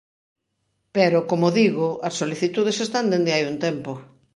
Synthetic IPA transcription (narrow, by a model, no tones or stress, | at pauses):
peɾʊkomoðiɣʊʔɐsːoliθit̪uð̞esest̪and̪end̪ɪajunt̪ɛmpo